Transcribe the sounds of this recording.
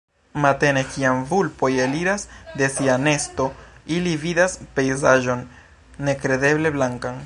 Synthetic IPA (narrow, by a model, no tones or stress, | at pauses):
mate̞ne̞kiamvulpo̞jeliɾasde̞siane̞sto̞ilividaspe̞jzaʒo̞nː | e̞kɾe̞de̞ble̞blaŋkan